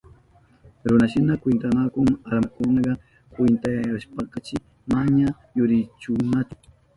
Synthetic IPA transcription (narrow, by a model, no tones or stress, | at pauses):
ɾʊnaʃɪnakwɪnt̪anakʊŋaɾmakʊnɑɢɑ | kwɪnt̪ajjaʃpɑqɑt͡ʃɪ | maɲa | jʊɾɪt͡ʃʊnat͡ʃʊ̥